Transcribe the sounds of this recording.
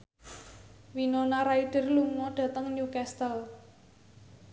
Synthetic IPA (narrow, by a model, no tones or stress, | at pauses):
winonaɾaid̪̥ə̤rluŋɔɖ̥a̤t̪əŋnjukɛst̪əl